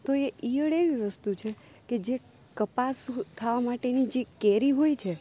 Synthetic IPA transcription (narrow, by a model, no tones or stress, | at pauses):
t̪oeʔijəɽeʋiʋəst̪ut͡ʃʰe | ked͡ʒe | kəpast̪ʰːaʋamaʈenid͡ʒekɛɾiɦojt͡ʃʰe